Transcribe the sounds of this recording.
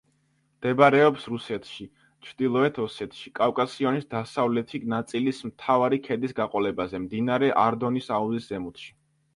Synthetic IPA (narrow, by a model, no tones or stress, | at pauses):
md̪̥ɛbaɾɛɔpsɾusɛt̪ʰʃi | t͡ʃʰɾd̪ilˠɔɛt̪ʰɔsɛt̪ʰʃikʼafkʼasiɔnisd̪asavlɛt̪ʰinat̪sʼilismt̪ʰavaɾikʰɛd̪isɡaqʼɔlɛbazɛmd̪inaɾɛʔaɾd̪ɔnisauziszɛmut̪ʃi̥